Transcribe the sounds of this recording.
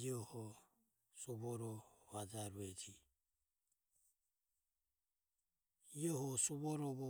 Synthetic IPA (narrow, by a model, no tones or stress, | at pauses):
iɔhɔ | suβɔɾɔβad͡ʒaɾɛd͡ʒi | iɔhɔsuβɔɾɔβɔ